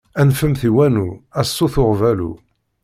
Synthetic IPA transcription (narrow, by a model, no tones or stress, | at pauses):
ænfəmθiwænuæsːuθʊʁvælṵ